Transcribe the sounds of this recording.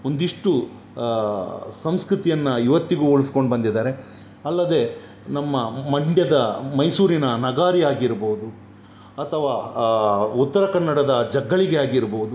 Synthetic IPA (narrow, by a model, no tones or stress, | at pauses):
ond̪iʂʈu | sɐmskɾut̪ijɐnːɐiʋɐt̪ːiɡuːoɭisko̞ɳɖbɐnd̪id̪aːɾe̞ | ɐlːɐd̪e̞ | nɐmːɐmɐɳɖjɐd̪ɐmɐjsuːɾinɐnɐɡaːɾiaːɡiɾboːud̪u | ɐt̪ʰɐʋaː | ut̪ːɐɾɐkɐnːɐɽɐd̪ɐd͡ʒɐɡːɐɭiɡeaːɡiɾboud̪u